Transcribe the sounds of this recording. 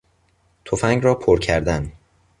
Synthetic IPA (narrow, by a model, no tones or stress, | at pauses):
t̪ʰofæŋɡɾɒːpʰoɾcʰæɾd̪æn